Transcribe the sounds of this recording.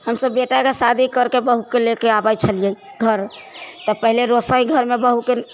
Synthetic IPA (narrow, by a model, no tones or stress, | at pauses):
həmsəbːeʈakesad̪ʱikəɾkebəɦukelekeabajt͡ʃʰəlije | ɡʱəɾ | t̪ɔpəɦileɾosəĩɡʱəɾmebəɦuke